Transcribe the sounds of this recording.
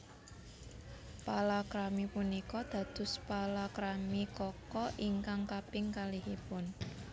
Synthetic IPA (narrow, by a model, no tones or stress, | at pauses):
palakɾamipunikɔd̪̥ä̤d̪̥ʊ̤spalakɾamikɔkɔʔiŋkaŋkapɪŋkalikipʊn